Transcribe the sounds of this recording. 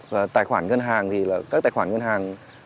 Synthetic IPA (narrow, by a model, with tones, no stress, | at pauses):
aː˧˩t̪aː˨˩jkʰwaː˩˦nŋɤ˧nɦaː˧ŋt̪ʰiː˧laː˧˩ka˧˥˩t̪aː˨˩jkwaː˨˩˦nŋɤ˧nhaː˧ŋ